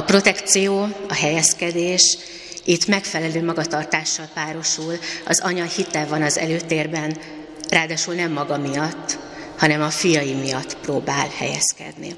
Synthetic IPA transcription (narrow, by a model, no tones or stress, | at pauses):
ɒpro̞t̪ɛkt̪sijoːɒɦɛjɛskɛd̪eːʃ | it̪ːmɛkfɛlɛløːmɒɡɒt̪ɒrt̪aːʃːɒlpaːɾo̞ʃulɒ̰zɒɲɒhit̪ɛvɒnɒzɛ̰løːt̪eːrbɛn | raːd̪aːʃulnɛmːɒɡɒmijɒt̪ː | hɒnɛmɒfijɒjimijɒt̪ːproːbaːlhɛ̰jɛ̰skɛ̰d̪nḭ